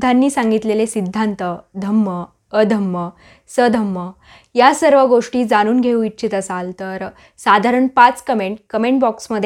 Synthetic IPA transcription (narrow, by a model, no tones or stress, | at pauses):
anːiːsãŋɡit̪lelesid̪ʱːant̪əd̪ʱəmːəː | d̪ʱəmːə | səd̪ʱəmːə | jasəɾʋəɡoʂʈiːd͡zañuːnɡʱeũitːt͡ɕit̪əsalt̪əɾ | sad̪ʱaɾəɳpat͡skəmeɳʈ̚kəmeɳʈ̚bɔksməd̪ʱj